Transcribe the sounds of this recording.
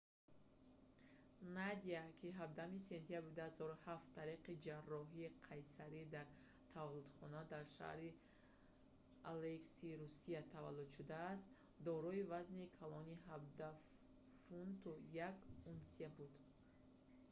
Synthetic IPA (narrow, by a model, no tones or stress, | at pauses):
nad̪iakʰiɦab̚d̪ahumise̞nt̪ʰiabɾid̪uhazɔɾuhaft̪ʰːaɾiqid͡ʒarːɔɦiːqʰajsaɾid̪aɾ | t̪ʰavalud̪̥χɔnad̪aɾʃa̰hɾi | aleksiɾusiat̪ʰavalːud̪ʃud̪aːst̪ | d̪ɔɾɔivaznikʰalɔniɦab̚d̪a | funt̪ujakunsebud̪